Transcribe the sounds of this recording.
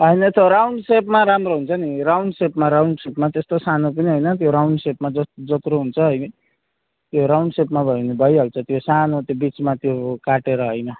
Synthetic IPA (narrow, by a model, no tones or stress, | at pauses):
ɦʌjnʌt̪oɾawɳɖsepmaɾamroɦunt͡sʰʌniɾawɳɖsepmaɾawɳɖsepmat̪est̪osanop̬ʌniɦʌjnʌt̪joɾawɳɖsepmad͡zʌt̪d͡zʌt̪ɾoɦunt͡sʰʌɦʌjn | t̪joɾawɳɖsepmabʱʌjnebʱʌjalt͡sʰʌt̪josanot̪jobit͡smat̪jokaʈeɾʌɦʌjnʌ